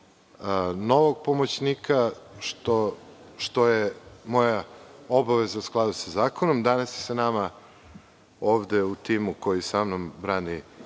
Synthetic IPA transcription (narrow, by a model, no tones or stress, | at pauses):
no̞ʋoɡ̚po̞mot͡ɕnikʰaʃt̪o | ʃt̪ojemojaobaʋezausklˠad̪usazaːkonomd̪anasjesanama | oːʋd̪eut̪imuko̞jisamnombɾaːni